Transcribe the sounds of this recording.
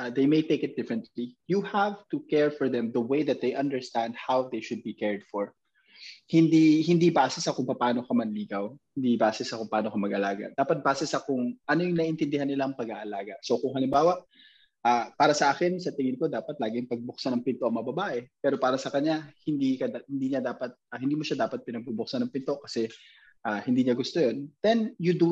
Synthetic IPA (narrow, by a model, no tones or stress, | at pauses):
ad̪ejmejt̪ejkɪt̪̚d̪ɪfɹɛ̃nt̪lijuhavt̪ʊkɛɹfɔɹðɛmd̪ɐwejd̪ɐt̪̚d̪ejʔɐ̃nd̪ɛɹst̪and̪̚hawd̪ejʃʊd̪̚bikɛɹd̪̥fɔɹ | hɪnd̪ihɪnd̪ibaːsɪsɐkʊŋpɐpaːno̞kɐmɐnliːɡɐwhɪnd̪ibaːsɛsɐkʊŋpɐaːno̞kɐmɐɡʔɐlaːɡɐ̰d̪aːpɐt̪̚baːsɛsɐkʊŋʔɐnojʊŋnɐʔɪnt̪ɪnd̪ɪhanːɪlaʔɐŋpɐɡaʔɐlaːɡɐsokʊŋhɐlɪmbaːwɐʔ | ʔaːpaːɾɐsɐʔaːkɪnsɐt̪ɪŋɪnko̞d̪aːpɐt̪̚laːɡɪjʊŋpɐɡ̚bʊk̚sɐnɐŋpɪnt̪oʔɐmɐŋɐbɐbaːʔɛpɛːɾo̞paːɾɐsɐkɐɲːahɪnd̪ikɐd̪hɪnd̪iːɲad̪aːpɐt̪̚ɐhɪnd̪iːmoʃad̪aːpɐt̪̚pɪnɐɡ̚bubʊk̚sanɐŋpɪnt̪o̞ʔkɐsɛ | ʔaːhɪnd̪iːɲaɡʊst̪ojond̪̥ɛnjʊd̪u